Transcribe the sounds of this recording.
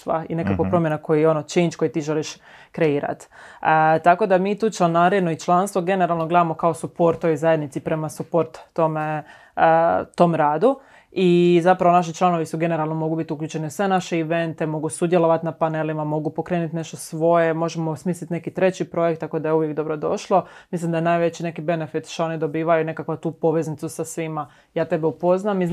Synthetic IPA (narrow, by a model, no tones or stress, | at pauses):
ʋa̰ḭne̞kakʋopɾo̞mje̞nakʰo̞jijeonot͡ʃint͡ʃko̞jit̪iːʒe̞liʃ | kɾe̞iːɾa̰t̪ | t̪ako̞d̪amiːt̪uːt͡ʃlenaːɾinoit͡ʃlˠanst̪ʋo̞ɡe̞neɾalˠno̞ɡle̞d̪amokao̞supo̞ɾt̪ːojzaje̞d̪nit̪sipɾe̞masupo̞ɾt̪ːome | t̪o̞mɾaːd̪u | izapɾaʋonaʃ̬it͡ʃlˠano̞ʋisuɡe̞ne̞ɾalnomo̞ɡubit̪ukʎʲuːt͡ʃe̞neusʋe̞naʃeiʋe̞nt̪e̞mo̞ɡusud̪jelˠo̞ʋat̪napane̞limamo̞ɡupo̞kɾeːnut̪ne̞ʃt̪osʋo̞jemo̞ʒemosmiːslit̪ne̞kit̪ɾe̞t͡ɕipɾo̞jek̚t̪ːakod̪ajeuʋjekd̪o̞bɾo̞d̪o̞̰ʃlˠo̞mislimd̪ajenaːjʋet͡ɕine̞kibe̞ne̞fit̪ʃt̪oo̞nid̪o̞biːʋajune̞kakʋat̪uːpo̞ʋe̞znit̪susasʋima | jaːt̪e̞beupo̞znami